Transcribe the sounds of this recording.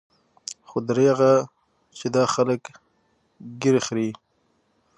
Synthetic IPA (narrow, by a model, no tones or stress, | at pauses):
xod̪ɾeɣa | t͡ʃed̪ɑxalək | ɡiɾexɾi